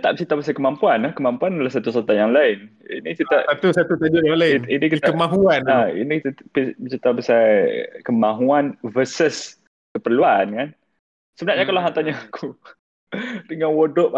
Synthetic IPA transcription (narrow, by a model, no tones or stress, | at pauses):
t̪aʔbət͡ʃit̪abəsajkəmampuanlahkəmampuandəlahsat̪usot̪ajaŋlaɪnḭnit͡ʃiaʔat̪usat̪ut̪ad͡ʒojaŋlaɪinikit̪kəmaɦuanaḭnikit̪apbət͡ʃit̪abəsakəmaɦuanvəsəs | kəpərluankan | səbənaʔɲakalaɦant̪aɲaakʰu | dəŋanwodʊʔ